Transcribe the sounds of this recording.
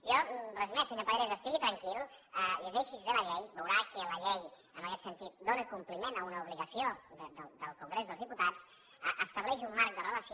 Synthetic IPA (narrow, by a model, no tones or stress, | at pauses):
jɔrəzmɛsəɲopəðɾezəst̪iɣit̪ɾəŋkilˠəiəzɛʃizβeləʎɛjβəwɾakələʎɛj | əməkɛt̪sənt̪it̪̚d̪onəkumplimenəunəuβliɣəsiod̪əd̪əld̪əlˠkuŋɡɾezðəlzðiput̪at͡s | əʔəst̪əβlɛʃiumːaɾk̚d̪ərələs